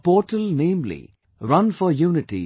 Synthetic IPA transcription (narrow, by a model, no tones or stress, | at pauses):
pɔːʈəlnẽːmlḭ | ɾʌ̃nfɔjuːnɪʈḭ